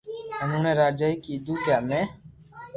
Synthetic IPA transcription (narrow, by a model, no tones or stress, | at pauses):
ənũːnẽːɾaːd͡ʒaːiːkiːd̪uːkjaːmẽː